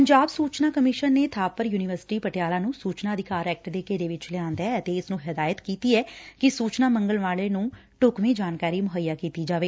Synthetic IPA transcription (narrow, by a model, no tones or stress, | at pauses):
pəɲd͡ʒaːbsuːt͡ʃnaːkəmɪʃənːeːt̪ʰaːpəɾjuːnɪʋəɾsɪ̥ʈiːpəʈjaːlãːnũːsuːt͡ʃnaːd̪ʱɪkaːɾɛːk̚ʈd̪eːkeːd̪eːʋɪt͡ʃlɪjãːnd̪aɛːət̪eːɪsnũːɦɪd̪aːjət̪kiːt̪iːɛːkɪsuːt͡ʃnaːməŋɡəlʋaːleːnũː | ʈʊkʋẽːd͡ʒaːnkaːɾiːmʊɦəjːaːkiːt̪iːd͡ʒaːʋeː